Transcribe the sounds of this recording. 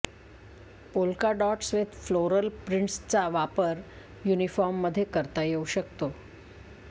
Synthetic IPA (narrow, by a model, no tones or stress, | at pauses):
polkaɖɔʈsʋet̪floɾəlpɾiɳʈst͡saʋapəɾ | junifɔɾmːəd̪ʱːjekəɾt̪ajeuɕək̚t̪o